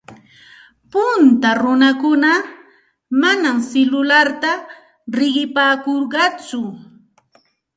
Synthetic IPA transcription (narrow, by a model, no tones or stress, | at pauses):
pʊnt̪aɾʊnakʊna | manamsɪlʊlaɾt̪a | ɾɪɢɪpaːkoɾɢɑt͡sʊ